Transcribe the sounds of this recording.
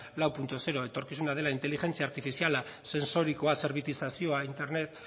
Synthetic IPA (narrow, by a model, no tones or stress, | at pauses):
lawpunt̪ose̞ɾo̞e̞t̪o̞ɾkisunað̞e̞laint̪elixe̞nt͡siaːɾt̪ifisialase̞nso̞ɾiko̞ase̞ɾβit̪isasio̞aint̪e̞ɾne̞t̪